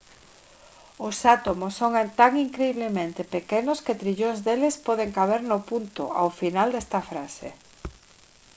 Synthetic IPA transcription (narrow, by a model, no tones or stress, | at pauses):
ʊsat̪omosːoŋt̪aŋiŋkɾeiβlemẽnt̪ɪpekenʊsket̪ɾiʎoŋzðelɪspɔðeŋkaβ̞eɾnʊpunt̪ʊ̰a̰wfinald̪ɛst̪ɐfɾasḛ